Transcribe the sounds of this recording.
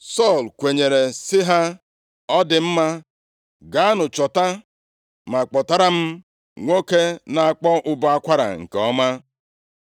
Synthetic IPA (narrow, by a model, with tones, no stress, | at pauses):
sɔ˦˨lkʷe˨ɲe˨ɾe˨sɪ˦ɦa˦ | ɔ˦dɪ˨m̩˦ma˦ | ɡa˨˦a˦nʊ˨t͡ʃɔ˨ta˦ | ma˨k͡pɔ˨ta˦ɾa˦m̩˦ | ŋʷo˦ke˦na˨a˦˨k͡pɔ˦ʔʊ˦bɔ˦a˦kʷa˦ɾa̰˨ŋ̩̰˨kɔ˦ma˦